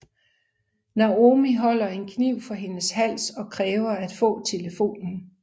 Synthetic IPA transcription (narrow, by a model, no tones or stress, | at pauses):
nɑo̝miɦɒ̽l̰ɐe̝nkʰniʊ̰fɒ̽ɦe̝nəshæl̰sɒ̽kʰʁɛːʊɐæd̥fɔ̰̽ːt͡sʰe̝ləfo̝̰ːnn̩